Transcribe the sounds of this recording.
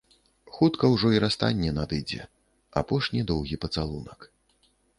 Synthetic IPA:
xut̪kɐwʐɔiɾast̪a̰nʲːɛnad̪ɨd͡zʲɛ̰ | apɔʂnʲid̪ɔwɣʲipɐt̪salˠunɐk

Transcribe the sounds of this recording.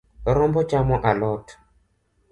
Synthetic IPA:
ɾɔmbɔt͡ʃamɔʔalɔtʰɔ̥

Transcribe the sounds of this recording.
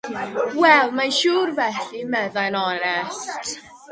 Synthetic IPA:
wɛlˠmanʃuːrvɛɬimɛðajnɔnɛst

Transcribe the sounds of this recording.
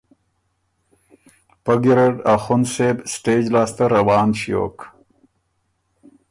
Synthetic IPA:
pɐɡiɾeɖaxʊnseːbsʈeːd͡ʑlaːst̪ɐɾɐwaːnɕijo̰ːk

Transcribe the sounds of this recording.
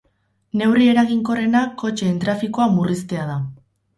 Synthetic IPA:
ne̞wrie̞ɾaɣiŋko̞re̞nakːo̞t͡ʃeːnt̪ɾafiko̞amurist̪e̞að̞a

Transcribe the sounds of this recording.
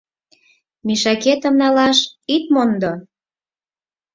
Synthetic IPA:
miʃɑket̪ə̆mnɑlɑʃit̪mond̪o

